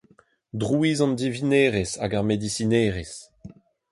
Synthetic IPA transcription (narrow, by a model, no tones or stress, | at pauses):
dʁuizɑ̃nd̪ivineːʁesa̰ɡaʁmed̪isineːʁes